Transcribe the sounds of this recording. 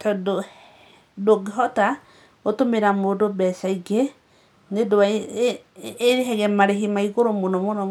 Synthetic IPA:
tɔdo | doɡeɦɔta | otomeɾamodobɛsaiɡe | nedoa | ɾeɦɛɣɛmaɾeɦimaiɣoɾomonɔmonɔ

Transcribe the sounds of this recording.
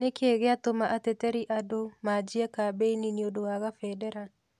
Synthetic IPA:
nekeɣeatomaʔatɛtɛɾiʔadomad͡ʒiɛkabeininiondowaɣafɛdɛɾa

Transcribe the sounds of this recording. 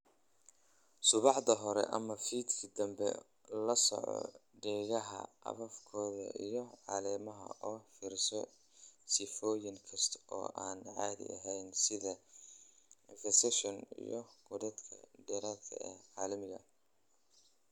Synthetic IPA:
sʊβɑħd̪ɐɦɔɾɛ̰ʔɐ̰mɐfiːd̪kʰid̪ɐmbɛ̰ | lɐsɔ̰ʕɔ̰ɖɛːɣɐɦɐ̰ʔɐ̰βɐfkʰɔːðɐ̰ʔijɞʕɑːlɛːmɐɦɐ̰ɔːfiɾsɔ | sɪfɔːjɪŋkʰɐst̪ʰɔ̰ːʔaːnʕɑːðɪ̰ɐɦɛjnsɪðɐ | fɛsɛʃɔnḭjɔɡ̥ʊðɐd̪kʰɐd̪ɛɾat̪ʰɐ̰ɛʕɑːlɐmɪɣɐ̰

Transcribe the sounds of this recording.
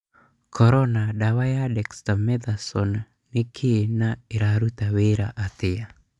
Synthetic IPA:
kʰɔɾɔnadawajadɛkst̪amɛd̪asɔnː | ikʰenaiɾaɾut̪aweɾaʔat̪ia

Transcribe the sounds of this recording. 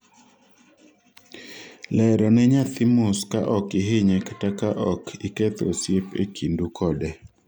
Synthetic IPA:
lɛɾɔnɛɲat̪ɪmʊskaʔɔkɪɦɪɲɛktakaʔɔkʰɪket̪osjepḛkʰindukʰɔdɛ

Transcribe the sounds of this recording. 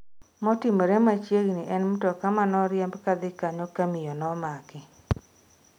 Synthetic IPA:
mɔtɪmoɾemat͡ʃjeɡniʔɛnm̩tɔkamanɔɾjɛmbkad̪ɪkaɲɔkamɪjɔnɔmakɪ

